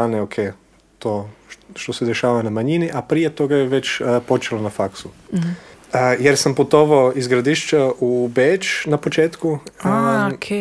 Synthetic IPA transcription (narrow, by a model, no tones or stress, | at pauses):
aneokʰe | t̪oʃt̪o̞sed̪eʃaːʋanamaɲiniʔapɾije̞t̪o̞ɡajeʋe̞t͡ʃpo̞t͡ʃelonafaksu | jeɾsamput̪o̞ʋaoizɡɾad̪iʃt͡ʃaubet͡ʃnapo̞t͡ʃeːt̪ku | kʰ